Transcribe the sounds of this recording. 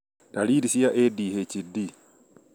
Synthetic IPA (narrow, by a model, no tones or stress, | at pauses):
taliːdisijaʔediːhet͡ʃidːi